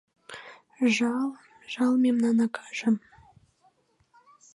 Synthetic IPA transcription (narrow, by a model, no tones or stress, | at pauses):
ʒɑlˠ | ʒɑlˠmʲemnɑnɑkʰɑ̥ʒə̆m